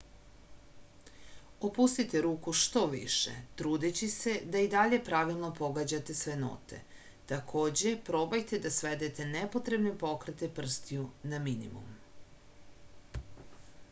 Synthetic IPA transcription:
opust̪it̪eɾuːkuʃt̪o̞ʋḭʃḛt̪ɾuːd̪et͡ɕise̞d̪aid̪aʎe̞pɾaʋilˠno̞po̞ɡad͡ʑat̪e̞sʋeno̰t̪ʰe̞̰ | t̪akʰo̞ːd͡ʑe̞pɾo̞bajt̪ed̪asʋed̪et̪e̞nepot̪ɾe̞bnipo̞kɾet̪epr̩st̪ijunaminḭmṵm

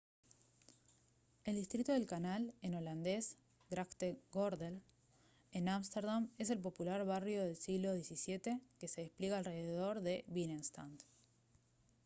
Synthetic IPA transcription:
e̞ld̪ist̪ɾit̪oð̞e̞lkanale̞no̞land̪e̞s | ɡɾakt̪eɡoɾðel | enamst̪eɾðame̞s̬e̞lpo̞pulaɾβarjoðe̞lsiɣlo̞ðje̞sisje̞t̪e̞ke̞se̞ðespljeɣaːlre̞ðeeðo̞ɾðe̞βilenst̪a̰nd̪

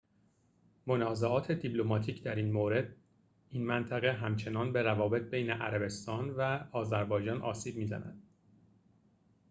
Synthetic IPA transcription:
mo̞nɒːzeɒːt̪ʰe̞d̪iblomɒːt̪ʰiːcʰd̪æɾiːnmoːɾe̞d̪̥̚ | iːnmænt̪ʰæɣeɦæmt͡ʃʰe̞nɒːnbe̞ɾævɒːbe̞t̪̚be̞jne̞ʔæɾæbe̞st̪ɒːnvæɒːzæɾbɒːjd͡ʒɒːnʔɒ̰ːsiːb̚miːzæ̰næ̰d̪̥

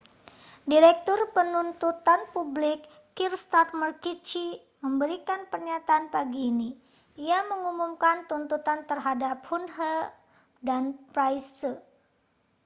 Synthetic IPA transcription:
diɾɛk̚t̪ʊrpənunt̪ut̪anpublɪkː | irst̪at̪̚mərkit͡ʃi | məmbəɾikanpərɲat̪aːnpaɡiːni | iaməŋumumkant̪unt̪ut̪ant̪ərɦadap̚hunɦə | danpɾajsə

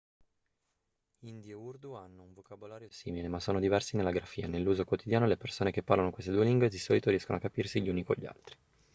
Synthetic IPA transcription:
ind̪jeurd̪uanːouɱvokabolaːɾjosiːmilemasːoːnod̪ivɛrsinelːaɡɾafiːanelːuːzokwot̪id̪jaːnolepersoːnek̟epːaɾrlanokwest̪ed̪uːeliŋɡwed̪isɔːlit̪oɾijɛskonoakːapirsiʎːuːnikoʎːia̰lt̪ɾi

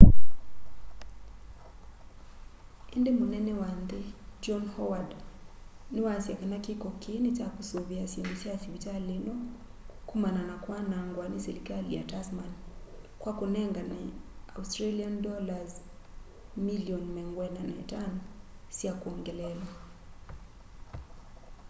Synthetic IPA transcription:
indɛmunɛnɛwandɛd͡ʒɔnhɔwad | niwasiakɛnakikɔkinit͡ʃakusuβiasinisiasiβitalɛnɔ | kumananakwanaŋɡwanisɛɾikalḭja̰tasmankwakunɛŋɡaniaustɾaliandɔlaz | miliɔnmɛŋɡwɛnanɛtanɔsiakuɔŋɡɛlɛla

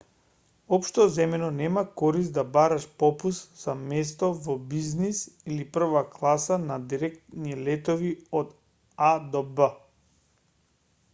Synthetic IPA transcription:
ɔpʃt̪ɔzɛmɛnɔnɛmakɔɾis̬t̪d̪abaɾaʃpɔpusz̥amɛs̬t̪ɔvɔbiznisilipr̩vaklˠasanad̪iɾɛkt̪niɛlɛt̪ɔviɔd̪ | ad̪ɔbə

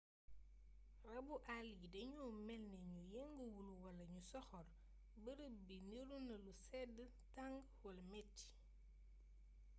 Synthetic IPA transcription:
rɐbuʔaliɡdeɲumɛlnɛɲujeŋɡəwuluwɐlɐɲusɔxɔr | bəɾəbiniɾunɐlusɛdə | taŋɡ | wɔlmɛtːi̥

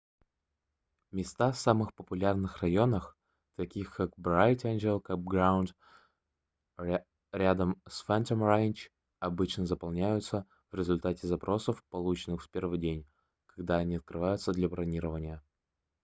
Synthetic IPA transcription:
mʲɪst̪afsamɨxpəpʊlʲarnɨxrɐjo̞nəx | t̪ɐkʲixkakbɾajt̪ɛnɡʲɛlˠkap̚ɡɾawnt̪ | ɾʲad̪əmsfɛnt̪əmranʲt͡ɕ | ɐbɨt͡ɕnəzəpɐlˠnʲæjʊt̪sə | v̥ɾʲɪzʊlʲt̪atʲɪzɐpɾʔo̞səfpɐlˠut͡ɕɪnɨxfpʲe̞rvɨjdʲenʲ | kɐɡd̪aɐnʲiɐt̪̚kɾɨvajʊt̪səd̪lʲɐbɾɐnʲiɾəvənʲɪjə

